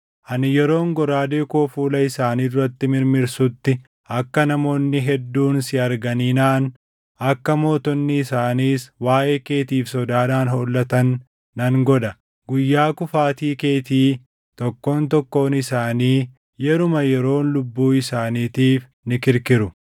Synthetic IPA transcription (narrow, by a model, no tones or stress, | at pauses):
ʔɐnɪjɛɾo̞ːŋɡɔɾaːd̪e̞ːkoːfuːlɐɪsaːniːd̪ʊɾɐt̪ːɪmɪɾmɪɾsʊt̪ːɪ | ɐkːɐnɐmo̞ːnːɪɦɛd̪ːuːnsɪɐɾɡɐniːnaːn | ɐkːɐmo̞ːt̪ɔnːɪːsaːniːswaːʔe̞ːke̞ːt̪iːfsɔd̪aːd̪aːnholːɐt̪ɐnː | ɐŋɡɔᶑɐ | ɡʊjːaːkʊfaːt̪iːke̞ːt̪iː | t̪ɔkːo̞ːnt̪ɔkːo̞ːnɪsaːniː | jɛɾʊmɐjɛɾo̞ːnlʊbːuːɪsaːniːt̪iːf | nɪkɪɾkɪɾʊ